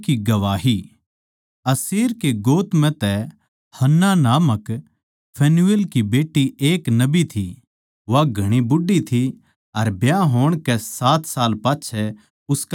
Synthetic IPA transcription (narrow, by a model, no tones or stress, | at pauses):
kiɡɐʋaːɦi | ɐsiːɾkeɡoːt̪mɛ̃t̪ɛ | hɐnːanaːmək | pʰɛːnuʋelkibeːʈːieːknɐbit̪ʰi | ʋaɡʱɐɽ̃ibʊɖit̪ʰi | ɐɾbjaɦoːɽ̃kɛsaːt̪ʰsaːlpaːt͡ʃʰɛ | ʊsk